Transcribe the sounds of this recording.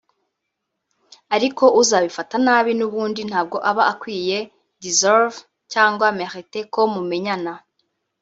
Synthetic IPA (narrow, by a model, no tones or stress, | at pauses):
aɾiko̞ʔuzaβifatanaːβinuβuːndin̥haːb̚ɡo̞ʔaβaːkwiːje̞ | dizeɾv | caːŋɡwameɾiteko̞mume̞ɲana